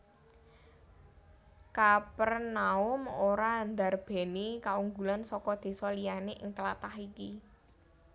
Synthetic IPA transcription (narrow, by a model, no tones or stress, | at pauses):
kapərnaʊmoɾand̪a̤rb̥e̤nikauŋɡulansɔkɔd̪̥e̤sɔlijaneʔɪŋt̪əla̰t̪ahiki